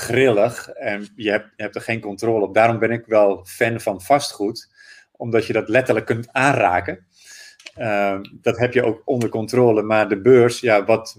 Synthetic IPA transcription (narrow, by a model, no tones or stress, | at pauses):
χrɪlˠəxɛnjəɦɛpəhɛp̚tərχeːnkɔntroːlˠəɔp̚daːɾɔmbɪnɪkʋɛlˠfɛnfɔnfɑstχut | ʔɔmdɔtjədɔtlɛtələkːøntaːnraːkə | əd̥ɔtɦɛpjəoːkɔndərkɔntroːləmardəbøːrsjaʋɔt